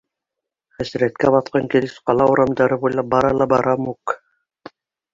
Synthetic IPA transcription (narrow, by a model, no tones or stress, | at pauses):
χæsɘ̆ɾæt̪̚kæbɑt̪qɑŋkilɘsqɑlˠɑuɾɑmd̪ɑɾɤbujlˠɑp̚bɑɾɑlˠɑbɑɾɑmuk